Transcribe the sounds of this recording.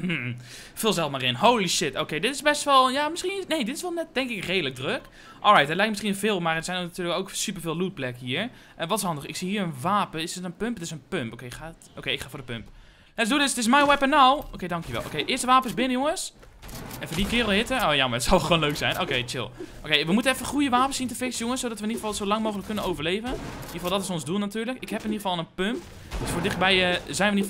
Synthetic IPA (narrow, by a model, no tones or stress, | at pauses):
m̩ | fɪːlˠzɛlˠmarɪnɦowliʃɪtowkejdɪtɪsbɛstʋɔlˠjamɪsχinnejdɪtɪsʋɛlˠnɛt̚d̥ɛŋkɪkrejdələk̚drøk | ʔɔ̰lˠrajtdɪtlɛjk̚mɪsχiənvɪːlˠmarətsɛjnnatyːələkowksyp̬əɹvɪːlˠlut̚plɛkəhɦiːəɹ | ʔʋɔtɪshɑndəxɪksihiːɹənʋaːpəɪsətənpømptɪsənpømpoːkeɪkxaːtʔokeɪkχaːvʊːdəpømp | ɛts̬duədɪstɪsmɛjwɛpənawʔokejdɑŋkjəʋɛ̰lˠʔo̰kejʔɪəstəʋaːpəsbɪnəjoŋəns | ʔɛ̃nfoːdikɪːrlˠɦɪtəoːjaməətsɔlˠxəʋoːnløːksɛjnoːkejt͡ʃɪ̰lˠʔokejʋəmutənɛfəxujəʋaːpənsintəfɪksjoŋənsodɔtʋəɪniəfɔlˠsolɑŋmoːxələkːønənowvərleːvənniχəfɔlˠdɔtɪsonzdulˠnatyːləkɪkɦɛpɪniχəfɔlˠənpømp | dəsfoːdɪxt̚bɛjəzɛjnəɪni